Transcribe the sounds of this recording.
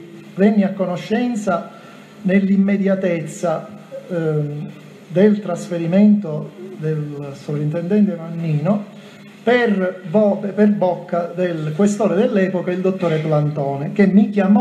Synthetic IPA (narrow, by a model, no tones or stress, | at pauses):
venːiakːonoʃːɛnt̪sa | nelːimːed̪jat̪et̪sːa | d̪elt̪ɾasfeɾiment̪od̪elsopɾint̪end̪ɛnt̪evanːiːno | perbɔpperbɔkːad̪elkwest̪oːɾed̪elːɛːpokaild̪ot̪ːoːɾeplant̪ɔːnek̟emːikjamɔ